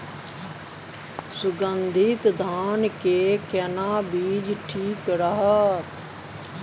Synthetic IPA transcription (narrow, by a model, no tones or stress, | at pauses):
sʊɡənd̪ʱit̪d̪ʱaːnkeːkɛnaːbiːd͡ʒʈʰiːkɾəɦət̪